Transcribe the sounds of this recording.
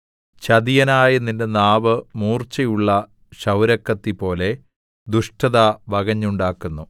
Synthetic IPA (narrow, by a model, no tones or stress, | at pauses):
t͡ɕɐd̪ijɐnaːjɐnːindenaːʋɨmuːrt͡ɕɐjuɭːɐ | ɕɐwɾɐkːɐt̪ːipo̞ːle̞ | d̪uʂʈʰɐðaʋɐɡɐɲːuɳɖaːkːunːu